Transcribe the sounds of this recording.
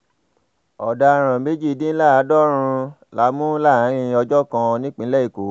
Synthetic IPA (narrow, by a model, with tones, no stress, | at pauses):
ɔ˨da˧ɾ̃ã˨me˦d͡ʒi˦˨dĩ˦la˦˨a˨˦dɔ˦ɾ̃ũ˧ | la˨˧˦mũ˦la˦˨˦ɾ̃ĩ˧ɔ˧d͡ʒɔ˦kã˧nĩ˦k͡pĩ˧˦lɛ˦i˦˨ko˨˦